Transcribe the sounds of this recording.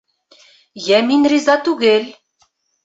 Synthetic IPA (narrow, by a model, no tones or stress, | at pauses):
jæminrizɑt̪uɣelʲ